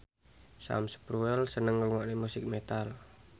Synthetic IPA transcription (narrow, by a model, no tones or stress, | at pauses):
sa̰msə̥pɾuɛlsənəŋəluŋaʔnimusik̚mɛt̪al